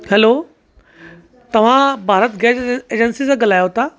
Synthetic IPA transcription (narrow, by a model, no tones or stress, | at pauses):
hɛlo | t̪ɐʋ̤ãbʱaːɾət̪ɡɛːt͡ɕeːd͡ʑənsisãɡɐl̤aːjot̪a